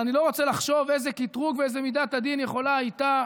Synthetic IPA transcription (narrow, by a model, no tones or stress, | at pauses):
anilo̞ʁot͡selaχʃo̞vezekit̪ʁuɡveezemid̪at̪ad̪injeχo̞lait̪a